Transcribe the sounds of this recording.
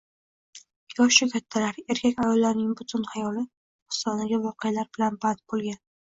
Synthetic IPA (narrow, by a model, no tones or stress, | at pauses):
jɒʃʊkʲʰat̪ʰːalaɾe̞ɾkʲakʲajɒlːaɾnɪŋbʊt̪ʰʊnhajɒlɪ | ʊ̥sɒnaɡʲavɒqɨjalaɾbɪlanbat̪̚bolˠɡʲan